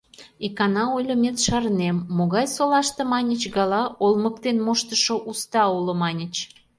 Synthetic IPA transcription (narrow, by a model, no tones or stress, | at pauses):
ikɑnɑojlʲəmʲet̪ʃɑrnemːoɣɑjsolɑʃt̪emɑnʲət͡ɕɣɑlɑolməkt̪enmoʃt̪əʃoʔust̪ɑulomɑnʲət͡ɕ